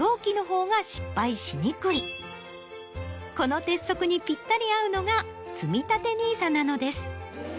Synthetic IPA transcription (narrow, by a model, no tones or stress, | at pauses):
o̞ːkʲino̞ɦo̞ːɡaɕi̥pːaiɕiɲ̟ikɯ̟ɾʲi | ko̞no̞t̪e̞sːo̞kɯ̟ɲ̟ipʲit̪ːaɾʲiaɯ̟no̞ɡa | t͡sɨmʲit̪at̪e̞ɲ̟iːsanano̞d̪e̞sɨ̥